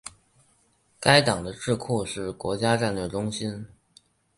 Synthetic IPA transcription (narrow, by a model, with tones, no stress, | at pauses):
ka˥ɪt̪ɑ˨˩ŋd̪ə˦ʈ͡ʂɻ̩˥˧kʰu˥˧ʂɻ̩˥˩kwɔ̰˧˥t͡ɕja˥ʈ͡ʂa˥˧nlɥɛ˥˩ɪʈ͡ʂʊ˥ŋɕi˥n